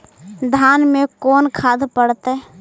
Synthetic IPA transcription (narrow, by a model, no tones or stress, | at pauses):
d̪ʱaːnmekoːnkʰaːd̪pəɽt̪e